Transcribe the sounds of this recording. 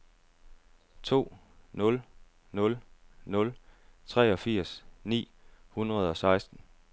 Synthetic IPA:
t͡sʰo̝̰ː | nɔ̽l | nɔ̽lnɔ̽lt͡sʰʁɛ̰ːɒ̽fiɐ̰snḭː | hunʁɐð̞̩ˠɒ̽sɑ̈ɪsd̥n̩

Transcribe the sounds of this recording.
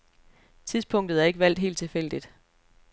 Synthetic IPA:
t͡sʰiðˠspʰɔ̽ŋ̰d̥ð̩ˠæɐe̝ɡ̥əʋæl̰d̥ɦe̝̰ld̚t͡sʰe̝fel̰d̥id̥

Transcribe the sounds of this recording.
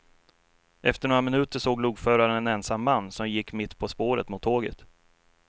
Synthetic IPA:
ʔɛft̪əɳoːɾamɪnʉ̟ːt̪əʂoːɡluɡfœːɾaɾənɛnɛnsamːanːsɔmjɪkːmɪt̪ːpʰɔspoːɾə̰t̪mʊt̪ʰːoːɡə̰t̪

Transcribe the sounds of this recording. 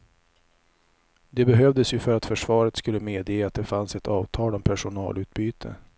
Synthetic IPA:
d̪ɛbɛɦœvd̪əsjɵfœɾat̪fœʂvɑːɾət̪skɵlːəmeːd̪jeːat̪̚d̪ɛfansɛt̪ʰɑːvt̪ʰɑːlɔmpʰæʂʊnɑ̰ːlʉ̟ːt̪̚byːt̪ʰə̰

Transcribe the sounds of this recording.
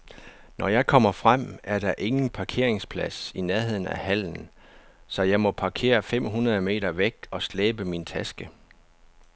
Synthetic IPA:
nʔɒjɑ̈ɪkʰɒ̽m̰ɐfʁam̰æɐd̥ɑ̈ʔe̝ŋn̩pʰɑ̈kʰe̝ɐ̰eŋspʰlæsineɐɦe̝ð̞̰ˠn̩æ̰hæl̰n̩ | sɒ̽jɑ̈ɪmɒ̽pʰɑ̈kʰe̝̰ːɐfem̰ɦunɐðˠəme̝̰ːɾɐʋeɡ̥ɒ̽sleːb̥əmint͡sʰæsɡ̥ə

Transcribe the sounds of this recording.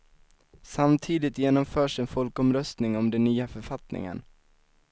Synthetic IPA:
samt̪ʰiːd̪ɪt̪jeːnɔmfœːʂɛnfɔlkɔmɾœst̪nɪŋɔmd̪ɛnːyːafœɾfat̪nɪ̰ŋə̰n

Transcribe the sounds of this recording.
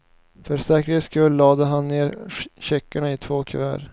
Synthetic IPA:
fœɾsɛːkɾɪskɵlːɑːd̪əɦanːeːɾɕɛkːaɳaɪt̪ʰvoːkʰɵvæ̰ːɾ

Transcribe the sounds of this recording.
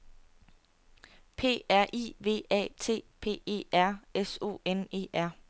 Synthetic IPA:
pʰe̝̰ːæɐ̰ʔḭːʋe̝̰ːɛ̰ːt͡sʰe̝̰ːpʰe̝̰ːe̝̰ːæɐ̰eso̝̰ːene̝̰ːʔæɐ̰

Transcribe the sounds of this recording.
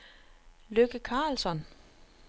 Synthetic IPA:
løɡ̥əkʰɑ̈ːlsɒn

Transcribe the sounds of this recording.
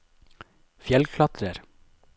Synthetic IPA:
fjɛlkʰlɑt̪ʰɾəɾ

